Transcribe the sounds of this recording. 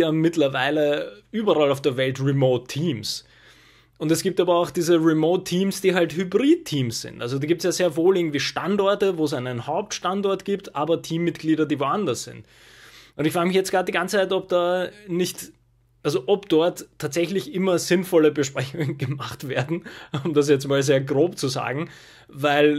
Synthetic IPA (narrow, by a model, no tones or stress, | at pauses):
jaːmɪtlɐvaɪləʔyːbɐʁalaʊfd̥eːɐvɛltʁimoːtʰːiːms | ʔʊntɛsɡ̥iːp̚taːbɐaʊxd̥iːzəʁimoːtʰːiːmsd̥iːɦalthybʁiːd̚tʰiːmsz̥ɪ̰̃ntʔalzodaːɡiːptsjaːzeːɐvoːlʔɪɐŋ̩tv̥iːʃtandɔɐtəvoːɛs̬aɪnənhaʊp̚tʃtantɔɐtɡ̥iːptʔaːbɐtʰiːmːɪtɡ̥liːɾɐdiːvoːandɐsz̥ɪ̰̃nt | ʔʊntɪçfʁaːɡəmɪçjɛt͡stɡ̥ʁaːt̚d̥iːɡant͡st͡saɪtɔp̚d̥aːnɪçt | ʔalzoʔɔpd̥ɔɐtʰːaːtz̥ɛçlɪçʔɪmɐzɪnfɔləbəʃpʁ̥ɛçʊŋənɡəmaχtv̥eːɐdn̩ʊmdas̬jɛt͡stmaːlzeːɐɡʁoːpt͡suza̰ːɡŋ̩ | vaɪl